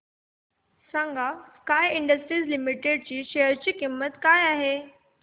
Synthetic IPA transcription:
sãŋɡaskaːjɪ̃ɳɖəsʈɾiːzlimiʈeɖ̚t͡ɕiːʃɛjəɾt͡ɕiːkimːət̪kaːjaːɦeː

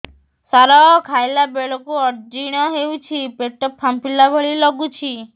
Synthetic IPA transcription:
saɾɔkʰajlabeɭɔkuɔɾd͡ʒiɽ̃ɔɦewt͡ʃʰipeʈɔpʰːampilabʱɔɭilɔɡut͡ʃʰi

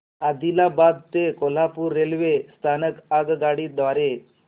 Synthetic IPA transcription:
ad̪ilabad̪̚t̪ekol̤apuɾːelʋest̪ʰanəkaɡɡaɽiːd̪ʋaɾe

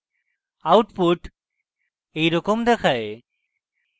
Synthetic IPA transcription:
awʈpuʈ | ejɾɔkomd̪ɛkʰae

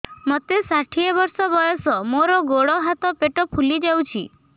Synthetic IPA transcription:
mɔt̪esaʈʰiebɔɾsɔbɔjɔsɔmoɾɔɡoɽɔɦat̪ɔpeʈɔpʰulid͡ʒawt͡ʃʰḭ

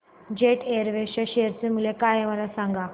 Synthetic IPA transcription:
d͡ʑeʈeɾʋeɕaɕejəɾt͡semulekajeʋalasãŋɡa

